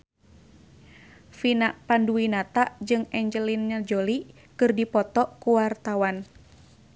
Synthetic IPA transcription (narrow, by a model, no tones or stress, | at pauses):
finaʔpanduwinat̪aʔd͡ʒɨŋɛɲd͡ʒəlinɲad͡ʒoli | kɨrdipɔt̪ɔʔkuwart̪awan